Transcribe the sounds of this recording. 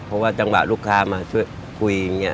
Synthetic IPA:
pʰɔ˦˥waː˥˩t͡ɕa˧ŋwa̰˨˩luː˥˩kʰaː˧maː˧t͡ɕʰu˥˩˨j | kʰu˧jŋɲi˦˥˩

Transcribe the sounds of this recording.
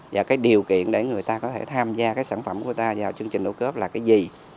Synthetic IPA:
jaː˨˩kaː˨˦jɗi˨˩əwkḭ˧˨ənɗe˧˩ŋɨ˨˩əjt̪aː˧kɔ˨˦t̪ʰe˧˩t̪ʰaː˧mzaː˧kaː˨˦jsaː˧˩nfə˧˩mku˧˩ət̪aː˧zaː˨˩wt͡ɕɨ˧əŋt͡ɕï˨˩ŋ̟ɗo̰˧˩ə˦kəː˦˥p̚laː˨˩kaː˨˦jzi˨˩

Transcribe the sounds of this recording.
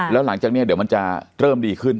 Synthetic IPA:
lɛː˦˥wla˩˦ŋt͡ɕaː˨˩kni˥˩di˩˦əma˧nt͡ɕa˨˧˩ɾɤː˧˩mdiː˧kʰɯ˧˥˩n

